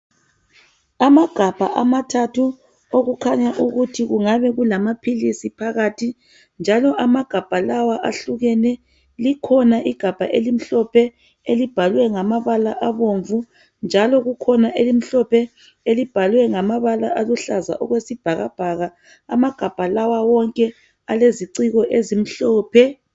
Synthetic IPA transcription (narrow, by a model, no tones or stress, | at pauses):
amaɡ̥ʱab̥ʱa̰ʔamatʰatʰu | oɣukʰaɲaʔuɣutʰiɣuŋaβɛɣulamapʰilisipʰaɣatʰi | nd͡ʒʱalɔʔamaɡ̥ʱab̥ʱalawaʔaɬuɣɛnɛ | likʰɔnaʔiɡ̥ʱab̥ʱaʔelim̩ɬɔpʰɛ | elib̥ʱalwɛŋamaβalaʔaβoɱvu | nd͡ʒʱalɔɣukʰɔnaʔelim̩ɬɔpʰɛ | elib̥ʱalwɛŋamaβala̰ʔaluɬaza̰ʔɔɣwesib̥ʱaɣa̰b̥ʱaɣa | amaɡ̥ʱab̥ʱalawawɔŋkʼɛ | aleziǀiɣɔʔezim̩ɬɔːpʰɛ